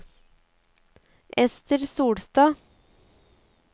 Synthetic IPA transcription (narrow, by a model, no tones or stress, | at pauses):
ʔɛst̪əɾsuːɽst̪ɑː